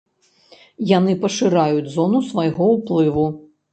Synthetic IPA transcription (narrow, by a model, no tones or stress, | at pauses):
janɨpɐʂɨɾajud͡zʲzɔnusvajɣɔwplˠɨvu